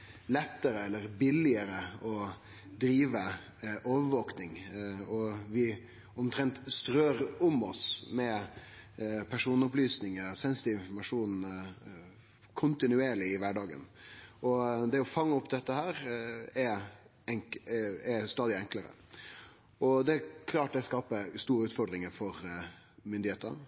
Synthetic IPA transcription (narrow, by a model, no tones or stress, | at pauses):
lɛt̪ːəɾəɛlːəɾbɪlɪəɾəɔ | d̪ɾiːʋə | ʔoːʋəʋoːknɪŋɔʋɪ | ɔmt̪ʰɾɛnt̪st̪ɾøːɾʊmɔsmɛ | pʰæʂuːnʊplyːsnɪŋəɾsɛnsɪ̥t̪ɪɪnfɔɾmɑʂuːn̩ | kʰʊnt̪ɪnʉeːɭɪɪʋæɖɑːɡə̰nɔd̪ɛɔfɑŋːəʊpd̪ɛt̪ːəhæːɾɛ | ɛŋɛst̪ɑːd̪ɪɛŋkləɾə̰ | ʔɔd̪ɛkʰlɑːʈ̚d̪ɛskɑːpəst̪uːɾəʉːt̪fɔɖd̪ɾɪŋəɾfɔɾ | mʏnd̪ɪheːt̪ən